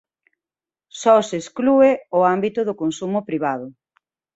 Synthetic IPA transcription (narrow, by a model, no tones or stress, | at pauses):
sɔsesklueʊambit̪ʊðʊkonsumʊpɾiβ̞aðʊ